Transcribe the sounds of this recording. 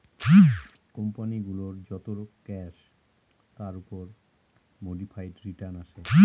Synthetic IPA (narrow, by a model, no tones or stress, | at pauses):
kɔmpaniɡuloɾd͡ʑɔt̪oɾokɛʃ | t̪aɾupoɾ | moɖifʰajʈɾiʈaɾnaʃe